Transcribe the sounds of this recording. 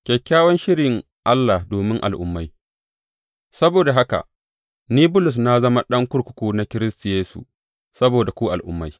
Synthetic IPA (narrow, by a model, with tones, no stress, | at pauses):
kʲɛ˨kʲːaː˦wɔ˦nʃɪ˦ɽɪ˨ŋ | ʔa˦lːaː˨hdoː˨mɪ˦ŋʔa̰˨lʔʊ̰˦mːa˦j | sɐ˦boː˨da˨ɦa˦ka̰˨ | niː˦bʊ˦lʊ˨s̬na˦zɐ˦ma˦ɗɐ˦ŋkʷʊ˦ɽkʷʊ̥˨˦kʷuː˦na˨˦kʲɪ˦ɾɪ˦sti˨jeː˦sṵ˨ | sɐ˦boː˨da˨kʷuː˦ʔa̰˨lʔʊ̰˦mːa˦j